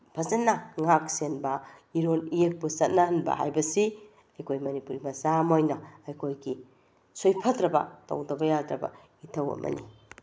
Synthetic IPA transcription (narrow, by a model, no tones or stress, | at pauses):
b̥ʰʱɐzɐnːɐŋak̚senbɐiɾonijek̚busɐt̚nahɐnbɐ̰ha̰jbɐsi | ɐjkʰojmɐnipuɾimɐsamojnɐɐjkʰojɡi | sojpʰɐtɾɐbɐ̰tɐ̰wdɐbɐjadɾɐbɐ̰ | itʰɐwɐ̰mʔɐ̰nḭ